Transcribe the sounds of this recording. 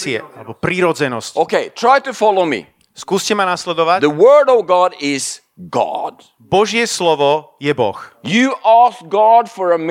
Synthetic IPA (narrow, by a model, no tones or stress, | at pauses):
iɛ̰ʔalɛbɔpɾiːɾɔd͡zɛnɔscoʊkeɪtʰɹ̥aɪtɨfɑlˠoʊmḭ | skuːscɛmanaslɛd̪ɔʋacðəwɜ˞ɾəvɡɑɾɪz̥ | ɡɑ̰d̥ | bɔʒɪɛslɔʋɔ | jɛbɔ̰xjɨʔæsk̚ɡ̥ɑdfə˞əm